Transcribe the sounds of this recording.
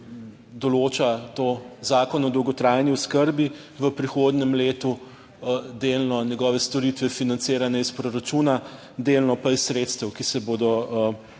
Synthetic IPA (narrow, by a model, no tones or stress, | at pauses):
d̪ɔloːt͡ʃat̪ozaːkɔnɔd̪ɔwɡɔt̪ɾajniɔskəɾbi | ʋəpɾixoːd̪nɛmleːt̪u | d̪eːlnɔnjɛɡɔːʋɛst̪ɔɾit̪ʋɛfinant̪seːɾanɛispɾɔɾat͡ʃuːna | d̪eːlnɔpaissɾeːt̪st̪əwkisɛboːd̪ɔ